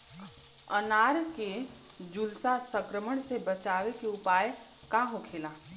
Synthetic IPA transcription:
ənaːɾke | d͡ʒʊlsasə̃kɾəməɳ̃sebət͡ʃaːʋekeʊpaːj | kaːɦõkʰeːlaː

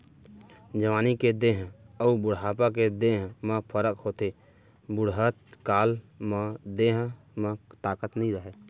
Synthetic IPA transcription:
d͡ʒəʋaːniked̪eːɦɔːbʊɽɦaːpaked̪eːɦmə̃pʰəɾəkhoːt̪e | bʊɽɦət̪kaːl | məd̪eːɦ | mə̃t̪aːkət̪nəĩɾəɦeː

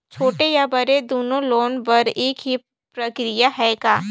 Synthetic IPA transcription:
t͡ʃʰoːʈejabɐɾed̪oːnõloːnbɐɾeːkɦi | pɾɐkɾɪjaɦɛɡaː

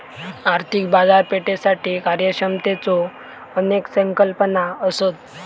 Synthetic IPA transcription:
aɾt̪ʰik̚bad͡zaɾpeʈesaʈiːkaɾjəɕəmt̪et͡so | əneksəŋkəlpənaəsot̪

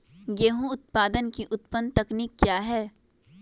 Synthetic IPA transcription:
jeɦũʊt̪̚paːd̪ənkiʔʊt̪pənt̪ɐkniːkːjaːɦɛː

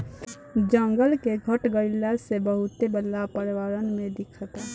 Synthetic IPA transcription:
d͡ʒəŋɡəlkeɡʱəʈɡəɾilasebəɦut̪ebəlapəɾwaɾənmẽd̪ikʰət̪a

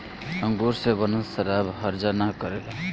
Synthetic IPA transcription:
ʌŋɡoɾsebʌnusʌɾabɦʌɾd͡zanakʌɾel

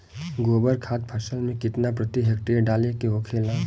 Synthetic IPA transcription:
ɡoːbəɾkʰaːt̪̚pʰəɾsəlmẽkɪt̪napɾət̪iɦek̚ʈeɖaːlekeoːkʰeːla

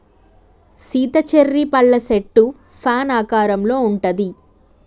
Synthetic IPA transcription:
siːt̪ɐt͡ʃeɾːipɐɭːɐseʈːu | pʰaːnaːkaːɾɐmlo̞ːuɳʈɐd̪i

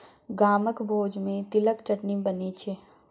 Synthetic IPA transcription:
ɡaːməkbʱoːd͡ʒmẽt̪ɪləkt͡ʃɐʈnibɐnit͡ʃʰe

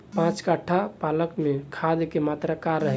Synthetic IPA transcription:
pãt͡ʃkaʈʰapaləkmẽkʰad̪kemat̪ɾakaɾːəɦɛ

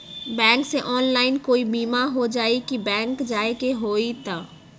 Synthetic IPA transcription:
bɛ̃ːŋkseʔɔːnlaːɪnkoːibiːmaɦod͡ʒaːikibɛ̃ːŋkd͡ʒaːekeɦoːit̪a

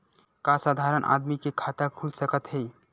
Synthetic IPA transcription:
kasad̪ʱaɾənʔa̰d̪mikekʰat̪akʰulsəkət̪ɦej

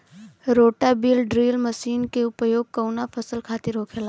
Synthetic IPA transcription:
ɾoːʈabiːlɖɾiːlməʃiːnkeʊpəjoːɡ̚kəwnapʰəsəlkʰaːt̪ɪɾɦoːkʰela

